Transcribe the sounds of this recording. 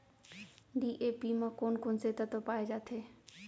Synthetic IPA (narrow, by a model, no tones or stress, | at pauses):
ɖiʔepimãkonkonset̪ət̪opaːed͡ʒaːt̪ʰe